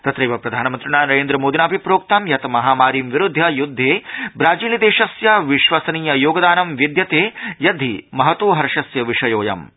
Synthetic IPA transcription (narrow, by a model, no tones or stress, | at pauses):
t̪ɐt̪ɾeːʋɐpɾɐd̪ʱaːnɐmɐnt̪ɾiɳaːnɐɾeːnd̪ɾɐmoːd̪inaːbʱipɾoːk̚t̪ɐmjɐt̪mɐɦaːmaːɾiːmʋiɾud̪ʱːjɐjud̪ʱːeːbɾaːd͡ʒiːlid̪eːʃɐsjɐʋiʃʋɐsɐniːjɐjoːɡɐd̪aːnɐmʋid̪jɐt̪eːjɐd̪ʱimɐɦɐt̪ʋoːɦɐɾɐʃɐsjɐʋiʂɐjoːjɐ̰m